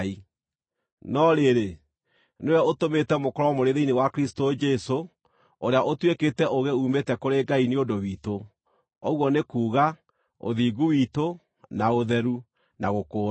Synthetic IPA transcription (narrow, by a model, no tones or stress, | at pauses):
i | nɔɾeɾe | newɛotometɛmokɔɾɔmoɾeðeinewakeɾistod͡ʒɛso | oɾeaʔotweketɛʔoɣeuːmetɛkoɾeɡaineondowiːto | ɔɣwɔnekuːɣa | o̰ðiːɡuwiːto | naoðɛɾu | naɣokoː